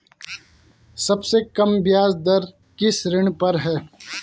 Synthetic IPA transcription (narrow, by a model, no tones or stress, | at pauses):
sɐbsekɐmbjaːzd̪ɐɾ | kɪsɾɪɳ̃pɐɾɦɛː